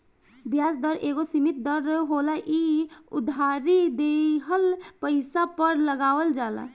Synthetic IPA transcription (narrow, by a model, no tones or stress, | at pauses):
bjasd̪əɾeːɡosimit̪̚d̪əɾɦɦolaʔiʊ̰d̪ʱaɾid̪eɦəlpəɪsapəɾləɡaːʋəld͡ʒaːla̰